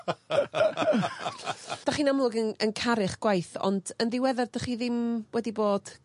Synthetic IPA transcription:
aχiːnamlˠʊɡənənkʰaɾɪχɡ̥wajθɔ̰ndənðɪwɛðardəχiːðɪmwɛdiboːd̥

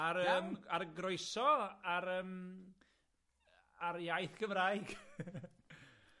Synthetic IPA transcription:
aɾəːmarɡrojsɔaɾəːm | aɾjajθkʰəmraːjɡ̥

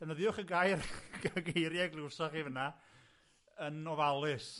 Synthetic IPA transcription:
d̥ɛnəðɪʊχəɡajrɡaɡejɾjaɡlˠɪwsɔχivəna | ənɔvalˠɨs

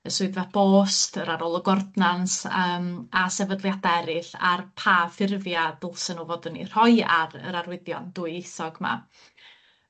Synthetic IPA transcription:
əsʊɨðvab̥oːstʰəɾaɾolˠəɡɔrdnansəːmasɛvədlˠjadɛɾɨɬa̰rpʰafɪrvjadɪlˠsənovɔdənḭr̥ɔjaɾə̰ɾaɾwɪdjɔ̰nd̥uːɨɪsɔɡma̰

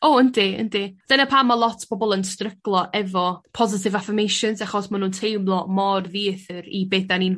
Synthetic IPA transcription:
oəndiə̰ndɪd̥ənapʰamalˠɔtʰb̥ɔbɔlˠənstrəɡ̥lˠɔʔɛvɔpʰɔzɪtʰɪvafɪmejʃɔnsaχɔsmanuːntʰejmlˠɔmɔrðiːəθɨɾibeːθanin

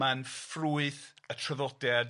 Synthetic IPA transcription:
anfruːɨθətʰrəðɔdɛd

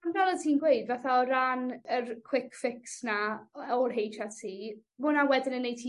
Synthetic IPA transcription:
anvɛlˠətʰiːnɡwejdvaθaɔɾanərkʰw̥ɪkfɪksnaɔrɦejtʰatʰiː | mʊnawɛdɪnənːejtʰi

